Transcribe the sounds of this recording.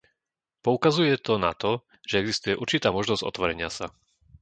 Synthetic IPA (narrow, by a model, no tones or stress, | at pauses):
pɔukazujɛt̪ɔna̰t̪ɔ | ʒ̥ɛɛɡzist̪ujɛʔuɾt͡ʃit̪aːmɔʒnɔz̥ɟɔ̰t̪ʋɔɾɛɲɪasa